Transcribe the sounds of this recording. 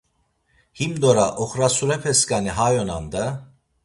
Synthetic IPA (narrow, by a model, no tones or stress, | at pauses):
himd̪oɾaʔoxɾasuɾɛpʰɛskaniɦajonand̪a